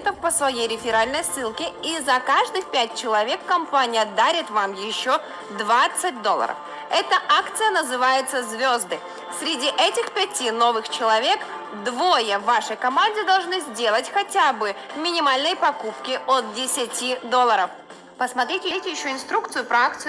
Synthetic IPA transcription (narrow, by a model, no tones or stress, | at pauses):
t̪əfpəsvɐjejɾʲɪfʲɪɾalʲnəjsːɨlˠkʲɪizɐkaʐd̪ɨxpʲæt̚ʲt͡ɕɪlˠɐvʲe̞kːɐmpanʲɪjəd̪aɾʲɪt̪vamjɪɕːo | d̪vat̪sɨt̚ʲd̪o̞lˠə̰ɾə̰f | ɛt̪əʔakt̪sɨjənəzɨvajɪt̪səzʲvʲozd̪ɨ | sʲɾʲɪdʲiʔɛtʲɪxpʲɛtʲino̞vɨxt͡ɕɪlˠɐvʲe̞k | d̪vojəvːaʂəjkɐmanʲdʲɪd̪ɐlˠʐnɨzʲdʲe̞lˠətʲxɐtʲabɨ | mʲɪnʲɪmalʲnəjpɐkupkʲɪot̪̚dʲɪsʲɪtʲid̪o̞lˠːəɾəf | pəsmɐt̪ɾʲitʲɪitʲɪjɪɕːoɪnst̪ɾuk̚t̪sɨjʊpɾɐak̚t̪sɨ